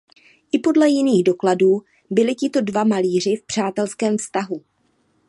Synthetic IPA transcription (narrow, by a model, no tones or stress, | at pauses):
ʔɪpo̞dlɛjɪniːɣdo̞kladuː | bɪlɪcɪt̪o̞dvamaliːr̝ɪfpr̝̥aːt̪ɛlskɛːmfst̪aɦu